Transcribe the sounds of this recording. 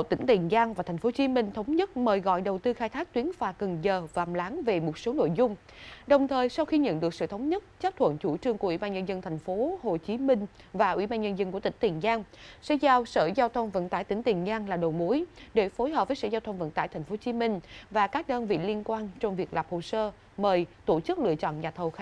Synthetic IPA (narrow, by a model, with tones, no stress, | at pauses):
t̪ï˧˩ŋ̟t̪i˨˩əŋzaː˧ŋvaː˨˩t̪ʰɛ˨˩ŋ̟fo˨˦t͡ɕi˨˦mï˧ŋ̟t̪ʰə˨˦wŋ͡mɲə˦˥t̚məː˨˩jɣɔ̰˧˨jɗə˨˩wt̪ɨ˧xaː˧jt̪ʰaː˦˥k̚t̪wi˨˦ənfaː˨˩kə˨˩ŋzəː˨˩vaː˨˩mlaː˨˦ŋve˨˩mo˨˩t̚so˨˦no̰˧˨jzʊ˧ŋ͡m | ɗə˨˩wŋ͡mt̪ʰəː˨˩jsa˧wxi˧ɲə̰˧˨nɗɨ˨˩ək̚sɨ̰˧˨t̪ʰwŋ͡mɲə˦˥t̚t͡ɕaː˦˥p̚t̪ʰwə̰˧˨nt͡ɕu˧˩t͡ɕɨ˧əŋku˧˩əwi˧˩ɓaː˧ɲə˧nzə˧nt̪ʰa˨˩jŋ̟fo˨˦ho˨˩t͡ɕi˨˦mï˧ŋ̟ | vaː˨˩ʔwḭ˧˩ɓaː˧nɲə˧nzə˧nku˧˩ət̪ï˧˩ŋ̟t̪i˨˩ŋzaː˧ŋsɛ̰˧˥zaː˧wsə̰ː˧˩zaː˧wt̪ʰə˧wŋ͡mvə̰˧˥nt̪a̰ː˧˩jt̪ï˧˩˦ŋ̟t̪i˨˩əŋzaː˧ŋlaː˨˩ɗo˨˩mo˨˦jɗe˧˩fo˨˦jɦəː˨˩p̚vəː˨˦jsə̰˧˥˩zaː˧wt̪ʰwŋ͡mvə̰˧˨nt̪aː˧˨jt̪ʰɛ˨˩jŋ̟fo˨˦t͡ɕi˨˦mï˧ŋ̟vaː˨˩kaː˦˥k̚ɗəː˧nvḭ˧˨li˧ənkwaː˧nt͡ɕɔ˧wŋ͡mvi˨˩ək̚la̰˨˩p̚ho˨˩səː˧ | məː˨˩jt̪o˧˩t͡ɕɨ˦˥k̚lɨ̰˧ət͡ɕɔ̰˧˨nɲaː˨˩t̪ʰə˨˩wx